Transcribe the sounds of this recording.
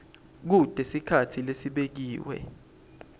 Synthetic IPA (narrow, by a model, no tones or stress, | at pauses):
k̬ud̥ʱesikʰatʰilesiɓek̬iːwɛ̰